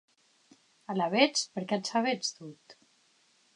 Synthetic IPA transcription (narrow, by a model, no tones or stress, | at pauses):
alaβet͡spəɾkɛat͡saβet͡st̪ut̪